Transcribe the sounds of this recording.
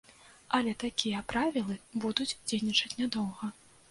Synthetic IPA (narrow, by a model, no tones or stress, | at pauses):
ɐlʲɛt̪akʲijɐpɾavʲilˠɨbud̪ud͡zʲd͡zʲejnʲit͡ʂɐt͡sʲnʲad̪ɔwɣɐ